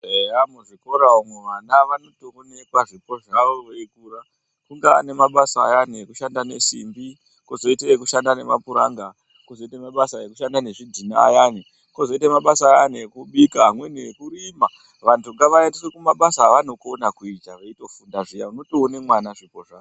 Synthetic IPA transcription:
eamuʐiko̞ɾaumweʋanaʋano̞toːne̞kaʐipo̞ʐaʋoeikuɾa | kuŋɡea̰ne̞maɓasa̰ːjaneekuʃandane̞̰sḭmbi | kozo̞iteekuʃandane̞̰ma̰puɾa̰ŋɡa | kozo̞itamaɓasajekuʃandane̞ʐidʱina̰ːjani | kozo̞itamaɓasaːjanekuɓikaɦamwe̞neekuɾima | ʋantʰuŋɡaʋaedisekumaɓasaːʋano̞konakuitaʋeito̞fundaʐijauno̞toːne̞mwanaʐipoʐao

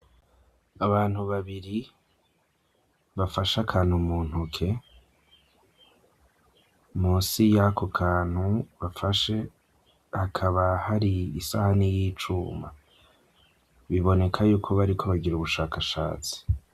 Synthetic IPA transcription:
aβaːn̥huβaβiɾi | βafaʃakʰaːn̥humuːn̥hukʰe̞ | muːnsijakʰo̞kʰaːn̥huβafaʃe̞ | hakʰaβahaɾiːsahanijiːt͡ʃuːma̰ | βiβo̞ne̞kʰajuːkʰo̞βaɾikʰo̞βaɟiɾuβuʃaːkaʃa̰ːt͡si̥

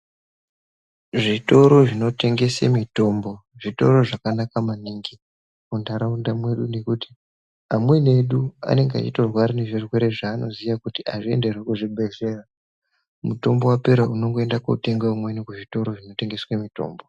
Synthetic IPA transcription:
ʐito̞ɾo̞ʐino̞te̞ŋɡe̞sḛmito̞ːmbo̞ʐito̞̰ɾo̞ʐakanakamaniŋɡi | kundaɾaundamwe̞ɗune̞kuti̥ | amwe̞ne̞ɗua̰ne̞ŋɡea̰t͡ʃitorwaɾine̞ʐirwe̞ɾe̞ʐaːno̞̰zijakutiʔaʐie̞̰nde̞rwekuʐiɓʱe̞ze̞ra | muto̞mbo̞wape̞ɾauno̞ŋɡo̞endakoute̞ŋɡaumwenikuʐito̞ɾo̞ʐino̞te̞ŋɡe̞swemito̞̰ːmbo

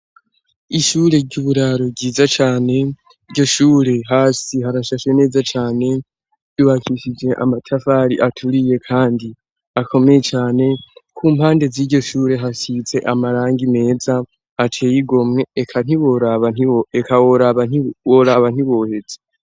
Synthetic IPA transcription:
iʃuːɾe̞ɟuβuɾaɾoɡɟiːzat͡ʃaːne̞ | iɾɟo̞ʃuːɾe̞ɦaːsihaɾaʃaʃwe̞ne̞ːzat͡ʃaːne̞ | juβakʰiʃid͡ʒe̞ʔa̰matʰafaɾiʔatʰuɾije̞kʰaːndi | akʰo̞me̞jet͡ʃaːne̞kʰuːmhaːnde̞ziɟɟo̞ʃuːɾe̞ɦasit͡se̞ʔamaɾaːŋɡime̞ːza | atʰe̞ːjiɡo̞mŋe̞ekʰan̥iwoɾaβaniekʰawoɾaβaniwoɾaβan̥hiβo̞ːhe̞d͡ze

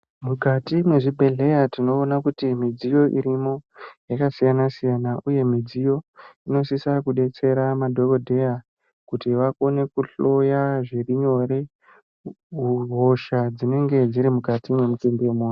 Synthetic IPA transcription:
mukatimwe̞ʐibʱe̞ɮe̞jatino̞ːnakutimid͡zijo̞ʔiɾimo̞jakasijanasijanaʔuje̞mid͡zijo̞ino̞sisakuɗe̞t͡se̞ɾamadʱo̞kodʱe̞ja | kutiʋako̞ne̞kuɬo̞jaʐiriɲo̞ɾe | uɦo̞ʃad͡zine̞ŋɡe̞d͡ziɾimukatimwe̞mutimbemuni

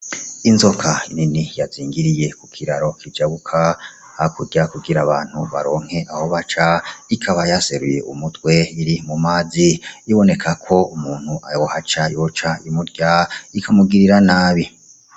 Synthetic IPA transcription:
inzo̞kʰaininijaziːŋɡiɾije̞kukʰiɾaɾo̞kʰivd͡ʒaβukʰa | hakuɟakuɡiɾaβaːn̥huβa̰ɾo̞ːŋ̥he̞ʔaho̞βat͡ʃaikʰaβajase̞ɾuje̞̰ʔumutwe̞iɾimumaːziːβo̞ne̞kʰakʰo̞umuːn̥huʔajohat͡ʃaijot͡ʃaimuɾɟaikʰamuɡiɾiɾanaːβi

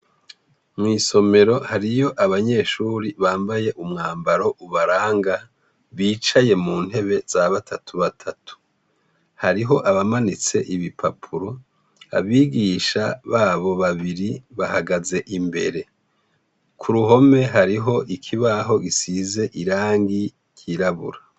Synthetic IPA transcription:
mŋiːso̞me̞ɾo̞haɾijo̞ʔaβaɲe̞ːʃuːɾiβaːmbaje̞ʔumŋaːmbaɾo̞ʔuβaɾaːŋɡa | βiːt͡ʃaje̞muːn̥he̞βe̞z̥aβatʰatʰuβatʰatu̥ | haɾiɦo̞ʔaβamanit͡se̞ʔiβipʰapʰuɾo̞ | a̰βiːɡiːʃaβaːβo̞βaβiɾiβahaɡaze̞ʔimbe̞̰ɾe̞ | kʰuɾuɦo̞me̞ɦaɾiɦo̞ʔikʰiβaɦo̞ɡisize̞ʔiɾaːŋɡi | kʰiɾaβṵɾa

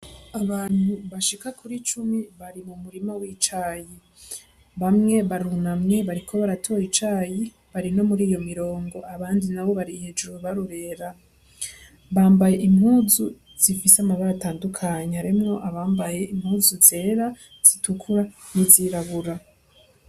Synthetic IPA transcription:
aβaːn̥huβaʃikakʰuɾit͡ʃumiβaɾimumuɾimowit͡ʃaji | βamŋe̞βaɾunamŋe̞βaɾikʰo̞βaɾatʰo̞jit͡ʃaji | βaɾino̞muɾiːjo̞miɾo̞ːŋɡo̞aβaːndinaβo̞βaɾihed͡ʒuwβaɾuɾe̞ɾa | βaːmbaje̞ʔimhuːzu | z̥ifiseamaβaɾataːndukʰaɲeaɾimŋo̞ʔaβaːmbaje̞ʔim̥huːzuze̞ːɾa | z̥itʰukʰuɾaniziɾaβuɾa

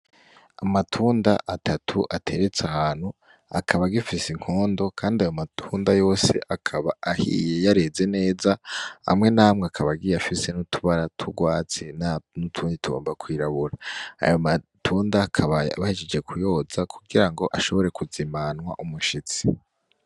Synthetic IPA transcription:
amatʰuːndaʔatʰatʰuʔatʰe̞ɾe̞t͡sahaːnhu | a̰kʰaβaɡifisiŋ̥oːndo̞kʰaːndiajo̞matʰuːndajo̞ːse̞̰ʔakʰaβaʔːhḭje̞jaɾe̞ze̞ne̞ːzaa̰mŋe̞naːmŋeakʰaβaɡijafise̞nutʰuβaɾatʰuɡwaːt͡se̞nanutʰuːndituɡo̞̰ːmbakwiːɾaβuɾaa̰jomatʰuːndakʰaβaβahid͡ʒed͡ʒe̞kʰujo̞zakʰuɡiɾaŋɡo̞ʔaʃo̞βo̞ɾe̞kuzimanwa̰ʔumuʃit͡si̥

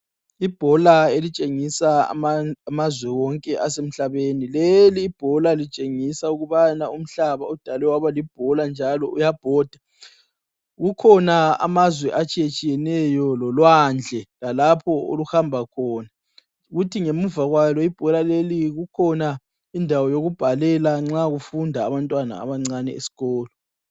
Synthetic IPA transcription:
ib̥ʱɔlaelit͡ʃʼeŋisa̰ | amazwɛwɔŋkʼɛʔasem̩ɬaβenileliːb̥ʱɔlalit͡ʃʼeŋisauɣuβanaum̩ɬaβaud̥ʱalɛwaβalib̥ʱɔland͡ʒʱalɔʔujab̥ʱɔːd̥ʱa | ɣukʰɔnaa̰mazwɛʔat͡ʃʼijet͡ʃʼijɛnɛjɔlɔlwand͡ɮʱɛlalapʰɔo̰luxambʱakʰɔːna | ɣutʰiŋemuvaɣwalɔib̥ʱɔlaleliɣukʰɔna | indʱawɔjoɣub̥ʱalɛlaŋ͡ǁaɣufundʱaːβantʼwana̰a̰βaŋ͡ǀanɛḛsi̥ɣɔːlɔ

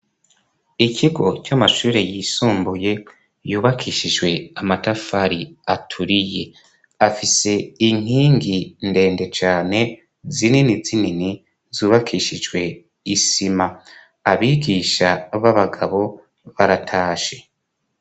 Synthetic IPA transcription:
icʰiɡo̞t͡ʃamaʃuːɾe̞jiːsuːmbuje̞ | juːβakʰiʃid͡ʒwe̞amatafaɾiatʰuɾije̞ | afise̞iŋ̥hiːŋɡinde̞ːnde̞t͡ʃaːne̞ | zininizinini | zuːβakʰiʃid͡ʒɡwe̞ | isima | aβiːɡiːʃaβaβaɡaβo̞ | βaɾatʰaːʃe̥

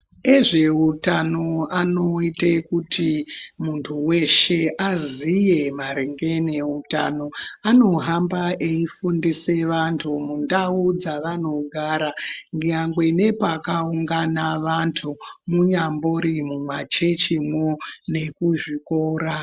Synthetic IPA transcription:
eʐe̞utanoanoitekutʰimuntʰuwe̞ʃeʔazije̞maɾeŋɡe̞ne̞uta̰no̞ano̞ɦambaʔeifundise̞ʋantʰumundaud͡zaʋan̤o̞ɡʱaɾaŋɡɲaŋɡwene̞pakauŋɡanaʋantʰumuɲamboɾimumwat͡ʃe̞t͡ʃimwone̞kuʐikoːɾa

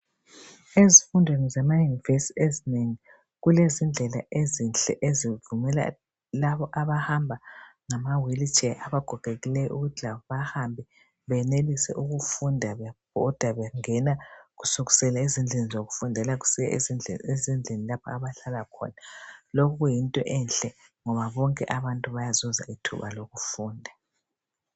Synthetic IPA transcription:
ezifundʱwenizamajunivesiezineŋi | ɣulezind͡ɮʱɛla̰ʔezinɬɛ̰ʔezivumɛla̰ | laβɔʔaβahambʱaŋamawilit͡ʃʰʼɛʔaβaɡ̥ʱɔɡ̥ʱeɣilɛjɔ̰uɣutaβɔβahambʱi | βɛnelisɛ̰ʔuɣufundʱaβɛbʱɔd̥ʱwaβɛŋɛnaɣusuɣusɛlaizind͡ɮʱenizoɣufundʱɛlaɣu̥siɛ̰ezinezind͡ɮʱenilapʰɔaβaɬalakʰɔ̰nalokuɣujintʼɔ̰ʔɛnɬɛŋɔβaβɔŋkʼɛ̰ʔaβantʼuβajazɔza̰ʔitʰṵβaloɣufuːndʱa

